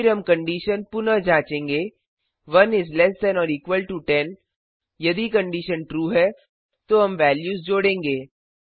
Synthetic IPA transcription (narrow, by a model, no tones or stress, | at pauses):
ɪɾɦɐmkɐ̃ɳɖiːʃənpʊnəd͡ʒãːt͡ʃẽːŋɡeː | ʋɐnɪzlɛsʈɛnɔːɾiːkʋəlʈuʈɛn | jɐd̪ikɐ̃ɳɖiʃənʈɾuːɦɛ | t̪oːɦɐmʋɛːljuːzd͡ʒoːɽẽːŋɡeː